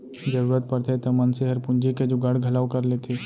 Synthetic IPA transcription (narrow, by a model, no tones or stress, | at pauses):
d͡ʒəɾuːɾət̪̚pəɾt̪ʰet̪ɐmɐnseɦəɾpʊnd͡ʒiked͡ʒoɡɐɽɡʱɐlaːʋkɐɾlet̪ʰeː